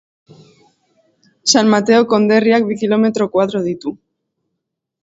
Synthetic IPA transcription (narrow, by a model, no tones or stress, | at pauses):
sanmat̪e̞oko̞nd̪e̞riak̚βikilo̞me̞t̪ɾokwaðɾoðit̪u